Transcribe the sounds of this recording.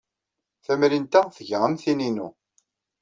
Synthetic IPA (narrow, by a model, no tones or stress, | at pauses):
θæmɾint̪æθəʝʁəmθininṵ